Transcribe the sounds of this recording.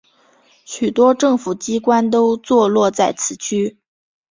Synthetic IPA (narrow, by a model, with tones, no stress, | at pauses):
ɕy˨˩t̪wɔ˥ʈ͡ʂɤ˥˩ŋfu˨˩t͡ɕi˥kwa˥nt̪o˥ʊt͡swɔ˥˧lwɔ˥˧t͡sa˥˩ɪt͡sʰɹ̩˧˥t͡ɕʰy˥